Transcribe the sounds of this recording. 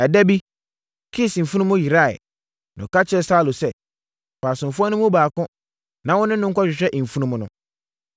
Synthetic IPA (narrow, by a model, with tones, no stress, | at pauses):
ɛ˨dɛ˦bi˦ | kʰi˦˨sm̩˨fu˦nũ˦mʊ̃˦ji˨ɾa˦˨ɛ̰˨ | nʊ̰̃˨ka˦t͡ɕʰɪ˦ɛ˨sa˦˨lo˨sɛ˦ | paː˨sʊ̃˨m˨fʊ˦ɔ˦nʊ̃˦mʊ̃˦baː˨kʊ̃˦ | nã˨wʊ̃˦nʊ̃˦nʊ̃˦ŋ̩˦kʰɔ˦ɕᶣɪ˨ɕᶣɛ˦ʔ̩˨fu˦nũ˦m̃˦nʊ̰̃˨